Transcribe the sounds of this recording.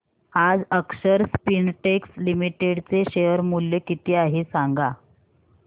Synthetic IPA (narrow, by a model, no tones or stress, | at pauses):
ad͡zəkɕəɾspinʈekslimiʈeɽt͡seɕejəɾmuljekit̪iːaɦesaŋɡa